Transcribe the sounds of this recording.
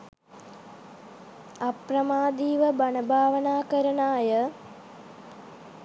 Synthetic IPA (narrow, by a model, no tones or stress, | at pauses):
ɐprɐmaːd̪iːʋəbanəbʱaːʋənaːkəɾənaːjə